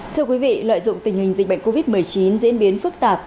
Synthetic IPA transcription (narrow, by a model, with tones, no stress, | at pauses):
t̪ʰɨ˧əkwi˨˦vḭ˧˨lwa̰ː˧˨jzʊ̰˧˨ŋ͡mt̪ï˨˩ŋ̟hi˨˩ŋ̟zḭ̟˨˩ɓa˧˨ŋ̟ko˧vi˦˥t̚mɨ˨˩əjt͡ɕi˨˦nzḭ˧˥ənɓi˨˦ənfɨ˦˥k̚t̪aː˨˩p̚